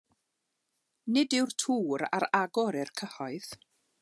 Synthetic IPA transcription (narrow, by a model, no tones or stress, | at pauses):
nɪdɪwrtʰuːɾa̰ɾaɡɔɾɪrkʰəhɔɨð